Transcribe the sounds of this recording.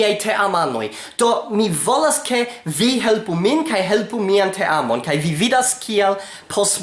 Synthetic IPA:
ajtʰe̞ʔamano̞̰j | d̥o̞mivo̞laskʰe̞viɦe̞lpuminkajɦe̞lpumiantʰeʔamo̞nkajvividaskʰial | pʰos

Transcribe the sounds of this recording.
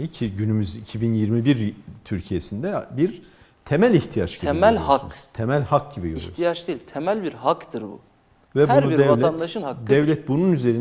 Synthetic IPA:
icʰiɟynymyzicʰibinjiɾmibiɾt̪ʰyɾcʰijesind̪ɛbiɾ | t̪ʰemælʲiçt̪ʰijat͡ʃɡ̪eemælʲohaskun̥t̪ʰemælʲhak̚ɟibḭjoḭut̪ʰijat͡ʃd̪eilʲt̪ʰemælʲbiɾhakd̪ɯɾbṵ | vɛhbuɾnuiɾd̪ɛalʲɛand̪aʃɯakd̪ɛvlʲɛt̪̚bununyze̞ɾin

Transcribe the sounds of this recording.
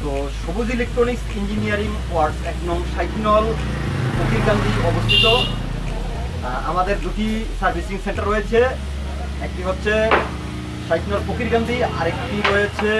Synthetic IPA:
t̪o | ʃobud͡ʑilek̚ʈɾoniksʈind͡ʑinijaɾiŋpoaɾsɛknɔmʃajk̪ʰinɔl | pokiɾɡand̪iɔbost̪ʰit̪o | a̰mad̪eɾd̪uʈisaɾbʱisiŋseɳʈaɾojet͡ɕʰe | ek̚ʈiɦotːɕʰe | ʃajk̪ʰinɔlpokiɾɡand̪iaɾekʈiɾojet͡ɕʰe

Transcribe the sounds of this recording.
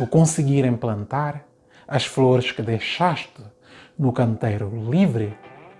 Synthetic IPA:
ukõsɨɡiɾẽmplɐ̃nt̪aɾ | ɐʃfloɾɨʃkɨd̪ejʃaʃt̪ɨ | nukɐ̃nt̪ejɾulivɾɨ

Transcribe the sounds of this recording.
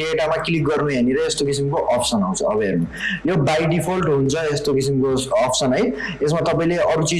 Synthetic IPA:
ɖeʈamakilik̚ɡʌrnuɦeniɾʌest̪okisimkoʔʌpʰsʌnaw̃t͡sʰʌʌbermajobajɖipʰolʈɦunt͡sʰʌest̪okisimkoːpʰsʌnɦʌj | esmat̪ʌpaĩleʌɾut͡si

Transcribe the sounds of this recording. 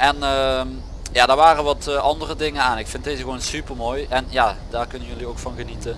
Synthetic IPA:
ʔɛnə | jaːdaːɹʋaːrəʋɑtːʔɑndərədɪŋənaːnɪkfɪnt̚dejzəɣəʋonsypəlˠmoːjɛnjaːd̥aːrkɵnənjɵliowkfɑnɣənitə

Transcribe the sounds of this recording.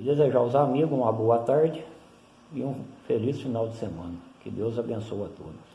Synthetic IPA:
d̪ezeʒaʊzamiɡʊũmɐboɐt̪aɾd͡ʒɪ | ɪũfelisfinawd͡ʒɪsemɐ̃nɐkɪd̪ewzabẽsowɐt̪od̪ʊs

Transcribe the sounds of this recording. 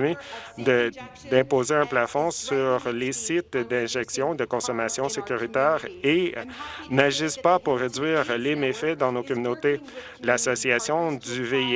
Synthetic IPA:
med̪ə | d̪ɛ̃poːzeɛ̃plafɔ̃syʁlesɪt̪d̪ɛ̃ʒɛksjɔ̃ed̪əkɔ̃sɔmasjɔ̃sekʲyʁit̪ɛːʁe | naʒɪspapuʁːed͡zɥiːʁlemefɛd̪ɑ̃nokɔmynot̪e | lasɔsiasjɔ̃d̪yvei

